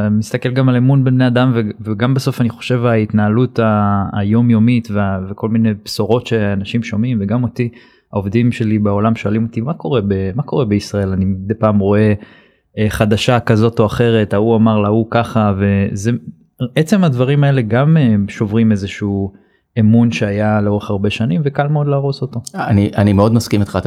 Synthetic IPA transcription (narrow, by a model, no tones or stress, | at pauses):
mist̪ake̞lɡamalemunbebnead̪amveveɡambaso̞faniχo̞̥ʃe̞vait̪naːlut̪a̰ːjo̞mjo̞mitveaveko̞lmine̞jpsoʁo̞tʃe̞anaʃimʃo̞mimveɡamo̞t̪i | ao̞vd̪imʃe̞libao̞lamʃo̞alimo̞t̪imako̞ʁe̞bemako̞ʁe̞be̞isʁae̞lanid̪ejpaːmʁo̞e̞ | eχad̪aʃakazo̞to̞aχe̞ʁe̞t̪auamaʁlaukaχave̞ze | et͡se̞mad̪vaʁimae̞le̞ɡameʃo̞vʁime̞zeʃuu | emunʃeajaleo̞ʁe̞χaʁbe̞ʃanimve̞kalmeo̞d̪laːʁo̞so̞t̪o̞aniʔanimeo̞d̪maskimit̪χat̪